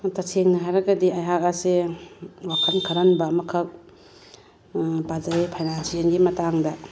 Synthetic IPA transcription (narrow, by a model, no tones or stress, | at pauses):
tasʰeŋnɐɦajɾɐɡɐdiajɦak̚ase | wakʰɐnkʰɐɾanbɐmɐkʰɐk̚ | pazaɾapʰajnansienɡimɐtaŋdɐ